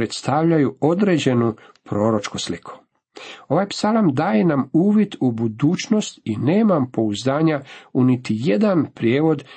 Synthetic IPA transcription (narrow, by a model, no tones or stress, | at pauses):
ɾet̪st̪aʋʎajuo̞d̪ɾed͡ʑe̞nu | pɾo̞ːɾot͡ʃkuslikʰu̥ | o̞ʋajpsalamd̪aːjenamuːʋjit̪ubud̪uːt͡ʃno̞st̪ine̞ːmampo̞uzd̪aːɲaunit̪ije̞d̪anpɾjeːʋo̞d̪